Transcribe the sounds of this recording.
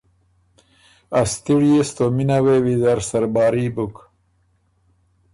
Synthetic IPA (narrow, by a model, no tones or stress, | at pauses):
ast̪iɽijest̪ominawewizaɾsɐɾbaːɾibuk